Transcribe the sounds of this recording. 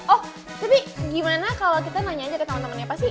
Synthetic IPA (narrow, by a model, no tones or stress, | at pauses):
ʔɔh | t̪apiɡimanakalokit̪anaɲaːd͡ʒakət̪əmənt̪əmənɲapast̪i